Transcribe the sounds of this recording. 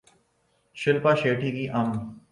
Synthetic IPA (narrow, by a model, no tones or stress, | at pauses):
ʃɪlpaːʃeːʈiːkiːʔɐm